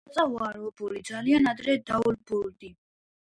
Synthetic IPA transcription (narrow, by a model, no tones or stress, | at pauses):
t̪sʼaɦwaɾɔːbulid̪zalianad̪ɾɛd̪aulbuld̪i